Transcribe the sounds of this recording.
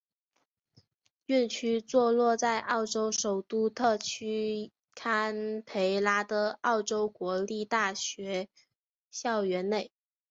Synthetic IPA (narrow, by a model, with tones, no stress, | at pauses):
y˥˩nt͡ɕʰy˥t͡swɔ˥˧lwɔ˥˧t͡sa˥˧ɪʔɑ˥˩ʊʈ͡ʂo˥ʊʂo˨˩ʊt̪u˥˧t̪ʰɤ˥˩t͡ɕʰy˥ | kʰa˥npʰe˧˥ɪla˥d̪ə˨˩ɑ˥˩ʊʈ͡ʂo˥ʊkwɔ˧˥li˥˧t̪a˥˩ɕɥɛ˧˥ | ɕjɑ˥˩ʊɥɛ˧˥nne˥˩ɪ